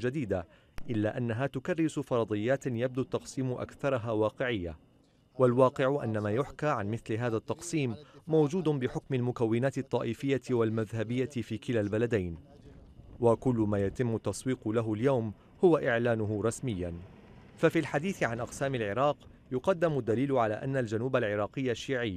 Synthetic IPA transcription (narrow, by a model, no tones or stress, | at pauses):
d͡ʒad̪iːd̪a | ʔɪlːaːʔanːaɦaːt̪ʊkɑrːɪsʊfɑɾˤɑd̪ˤɨjːaːt̪jab̚d̪ut̪ːɑqsiːmʔa̰kθɑɾˤɑɦaːwɑːqɪʕɪjːa | walwɑːqɪʕʊʔa̰nːamaːjʊħkaːʕanmɪθlɪɦaːðat̪ːɑqsiːmːawd͡ʒuːd̪bɪħʊkmalmʊkawːɪnaːt̪ɨt̪ˤːɑːʔɪfɪjːawalmaðhabɪjːafiːkɪlalbalad̪ajn | wakʊlːʊmaːjat̪ɪmːʊt̪ːɑsˤwiːqlaɦʊljawm | hʊwaʔɪʕlaːnʊɦʊɾˤɑsmɪjːan | fafilħad̪iːθɪʕanʔɑqsaːmɪlʕɪɾˤɑːq | jʊqɑd̪ːɪmʊd̪ːaliːlʊʕala̰ːʔanːald͡ʒanuːbalʕɪɾˤɑːqɨjːaʃːiːʕɪjː